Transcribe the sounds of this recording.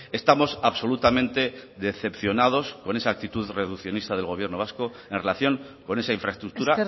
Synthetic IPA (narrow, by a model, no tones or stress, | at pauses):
e̞st̪amo̞saβso̞lut̪amẽnt̪e̞ðe̞θe̞pθjo̞nað̞o̞sko̞ne̞saːk̚t̪it̪uðre̞ðukθjo̞nist̪að̞e̞lɣ̞o̞βje̞ɾno̞β̞asko̞ | e̞nre̞laθjo̞ŋ | ko̞ne̞saiɱfɾaest̪ɾuk̚t̪uɾa